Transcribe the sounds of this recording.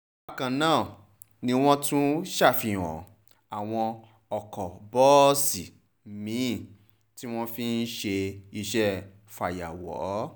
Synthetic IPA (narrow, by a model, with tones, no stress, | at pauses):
a˦˨kã˨nãː˦˨ | nĩ˧w̃ɔ̃˦tũ˦ʃa˦˨fĩ˧˨ɔ̰̃˨ | a˨w̃ɔ̃˧ | ɔ˨kɔ˨bɔ˦si˨ | mĩ˨˦˨ | ti˦w̃ɔ̃˦fi˦n̩˦ʃe˧i˧ʃɛ˦ | fa˨ja̰˨wɔ̰˨˦